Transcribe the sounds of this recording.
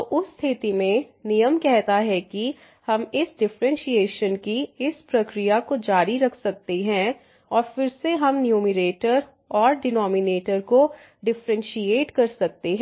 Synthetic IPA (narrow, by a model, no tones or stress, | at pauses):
oʔʊst̪ʰɪt̪imẽnijəmkɛɦt̪aɦɛki | hɐmɪsɖɪfɾə̃nʃieːʃənkiɪspɾɐkɾijakod͡ʒaːɾiɾɐkʰsɐk̚t̪eɦɛ̃ | ɔːɾfɪɾseɦɐmnjuːmɪɾeːʈəɾ | ɔːɾɖɪnɔːmɪneːʈəɾko | ɖɪfɾə̃nʃieːʈkɐɾsɐk̚t̪eɦɛ̃